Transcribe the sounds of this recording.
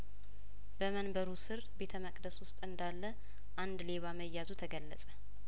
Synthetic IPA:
bəmənbəɾusɨɾbe̞t̪ʰəməkʼd̪əswʊst̪ʼɨnd̪alːə | ʔand̪le̞βaməjːazut̪ʰəɡəlːəsʼə

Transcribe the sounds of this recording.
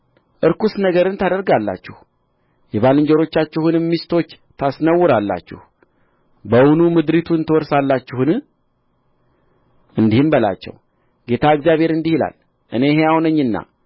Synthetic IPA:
ʔɨɾkusnəɡəɾɨnt̪ʰad̪əɾɡalːa̰t͡ʃːɪh | jɛβalɨɲd͡ʒɛɾo̞t͡ʃːat͡ʃːɛhunɨmːist̪o̞t͡ʃː | t̪ʰasnəwːʊɾalːa̰t͡ʃːɪ̰h | bəwunumɨd̪ɾit̪ʰuɨnt̪ʰəwɔɾsalːat͡ʃːɪhɨn | ʔɨnd̪ihɨmbəla̰t͡ʃːɛ̰w | ɡe̞t̪ʰaɨɡzjaβhe̞ɾɨnd̪ihila̰l | ʔɨne̞hejawnəɲːɨnːa̰

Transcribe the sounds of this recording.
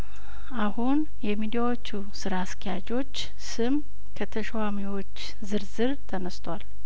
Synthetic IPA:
ʔahun | jɛmid̪ijawo̞t͡ʃːu | sɨɾaskʰejad͡ʒo̞t͡ʃː | sɨm | kʰət̪ʰəʃwamiwo̞t͡ʃː | zɨɾzɨɾt̪ʰənəst̪ʰwal

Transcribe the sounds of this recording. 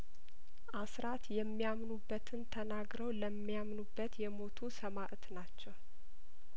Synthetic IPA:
ʔasɾat̪jɛmːijamnubːət̪ʰɨnt̪ʰənaɡɾəwləmːijamnubːət̪jɛmo̞t̪ʰusəmaʔt̪nat͡ʃːɛw

